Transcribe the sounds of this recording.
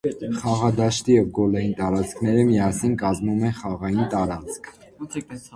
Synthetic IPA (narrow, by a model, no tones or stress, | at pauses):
χɑʁɑd̪ɑʃt̪ijɛvɡɔlɑjint̪ɑɾɑt͡sʰkʰnɛɾəmiɑsinkɑzmumɛχɑʁɑjint̪ɑɾɑt͡sʰkʰ